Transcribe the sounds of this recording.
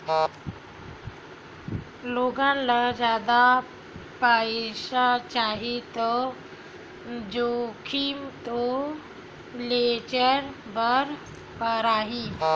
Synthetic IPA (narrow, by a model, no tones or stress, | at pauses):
loːɡãnlad͡ʒjaːd̪a | paʃat͡ʃaːɦit̪o | d͡ʒokʰimt̪o | let͡ʃəɾbəɾ | pəɾaːɦiː